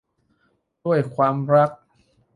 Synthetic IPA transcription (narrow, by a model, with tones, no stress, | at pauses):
du˥˩əjkʰwaː˧mɾa˦˥k̚